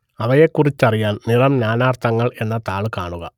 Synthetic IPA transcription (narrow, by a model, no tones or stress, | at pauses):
ɐʋɐjekːurit͡ɕːɐrijaːnnirɐmnaːnaːrt̪ʰɐŋːɐɭe̞nːɐt̪aːɭɨkaːɳuɣɐ